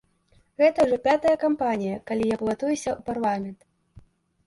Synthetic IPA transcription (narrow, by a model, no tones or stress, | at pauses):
ɣɛt̪ɐwʐɔpʲat̪ɐjɐkampanʲijɐkalʲijaplˠat̪ujusʲɐuparlˠamʲɛnt̪